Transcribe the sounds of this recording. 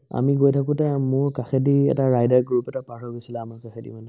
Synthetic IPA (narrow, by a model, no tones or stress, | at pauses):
a̰miɡojtʰakʊtɛmʊɹkaxediɛ̰taɹajdaɹɡɹupɛtapaɦɔɹɡojsilaamaɹkaxʰedḭmanɛ